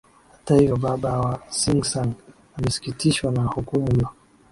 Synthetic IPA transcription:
hatahijɔɓaɓawasiŋɡsan | amɛsi̥kitiʃwanahukumula

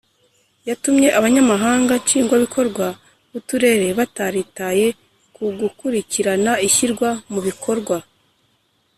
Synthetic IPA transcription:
jatumɲe̞ʔaβaɲamaɦaːŋɡaɲt͡ʃiːŋɡwaβikʰo̞ɾɡwa | βutuɾe̞ːɾe̞βataɾitaje̞ | kuɡukuɾiciɾanaiçiɾɡwamuβikʰo̞ɾɡwa

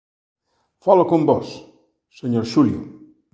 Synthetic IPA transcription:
falokõmbɔsː | eɲoɾʃuljṵ

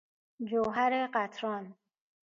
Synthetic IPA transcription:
d͡ʒoɦaɾeqat̪ʰɾɔn

